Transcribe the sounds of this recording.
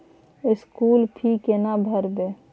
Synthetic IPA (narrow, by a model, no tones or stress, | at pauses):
ɪskulpʰikenabʱəɾbe